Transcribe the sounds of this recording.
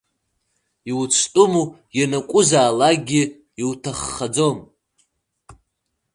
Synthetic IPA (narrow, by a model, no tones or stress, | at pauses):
iwt͡sʷʰtʼʊmu | janakʷʼʊzaːlaɡʲi | iwtʰaχːad͡zom